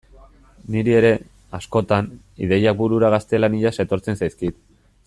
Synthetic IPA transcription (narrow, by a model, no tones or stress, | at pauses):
niɾie̞ɾe̞ | asko̞t̪an | ḭðe̞jak̚buɾuɾaɣ̞ast̪e̞laniʎase̞t̪o̞ɾt͡se̞nsajskit̪̚